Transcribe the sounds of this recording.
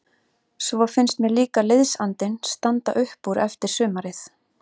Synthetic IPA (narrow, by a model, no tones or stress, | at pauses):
svafɪnst̪mɛðliːkaleðsant̪ɪnst̪ant̪a̰ʔʏhpuɾɛft̪ɪɾ̥sʏːmaɾɪθ